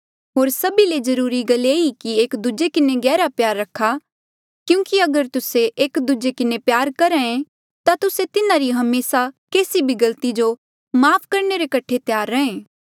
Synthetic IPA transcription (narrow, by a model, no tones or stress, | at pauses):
ɦoːɾsɐbiled͡ʒɐɾuːɾiɡɐleːikieːkd̪ud͡ʒekɪneɡɛːɾapjaːɾːɐkʰːa | kjũːkiɐɡəɾt̪ʊseʔeːkd̪ud͡ʒekɪnepjaːɾkɐɾɛẽ | t̪at̪ʊset̪ɪnaɾiɦɐmeːsakeːsibʱiɡɐlt̪id͡ʒo | maːpʰkɐɾneɾekɐʈʰet̪jaːɾːɐɦẽː